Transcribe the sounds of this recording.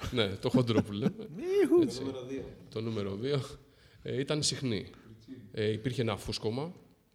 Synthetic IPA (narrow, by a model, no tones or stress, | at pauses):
ne̞t̪o̞xo̞nd̪ɾopulemeet͡sit̪o̞nume̞ɾoðio̞ | it̪ɐnsixni | ipiɾçeenɐfusko̞mɐ